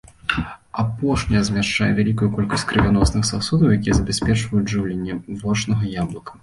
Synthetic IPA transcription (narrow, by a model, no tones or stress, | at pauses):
apɔʂnʲɐɐzʲmʲaʂt͡ʂa̰jɛ̰vʲalʲikujukɔlʲkɐsʲtʲkɾɨvʲanɔsnɨxsasud̪ɐwjakʲijɛzɐbʲasʲpʲɛt͡ʂvɐjuʐɨwlʲenʲːɛvɔt͡ʂnɐɣɐjablˠɐkɐ̥